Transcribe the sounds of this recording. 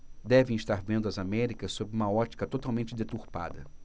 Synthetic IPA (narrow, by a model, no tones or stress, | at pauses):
d̪ɛvẽj̃ist̪aɾvẽnd̪ʊɐzamɛɾikɐssobɾɪũmɐɔt͡ʃi̥kɐt̪ot̪awmẽnt͡ʃɪd̪et̪uɾpa̰d̪ɐ̰